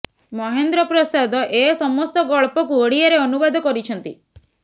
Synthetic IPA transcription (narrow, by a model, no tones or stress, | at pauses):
mɔɦend̪ɾɔpɾɔsad̪ɔʔesɔmɔst̪ɔɡɔɭpɔkuəɽiaɾeɔnubɔd̪ʱɔkɔɾit͡ʃʰɔnt̪ḭ